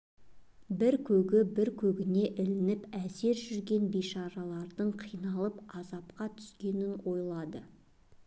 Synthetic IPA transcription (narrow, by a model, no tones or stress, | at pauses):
bɪɾkʲʰɵɡʲɪbɪɾkʲʰɵɡʲɪne̞ʔɪlɪnɪpæse̞ɾʒʏɾɡʲe̞nbijʃɑɾɑlˠɑɾd̪əɴqʰijnɑlˠəpɑzɑp̚qɑt̪ʰʏ̥skʲe̞nɪnwo̞jlˠɑd̪ə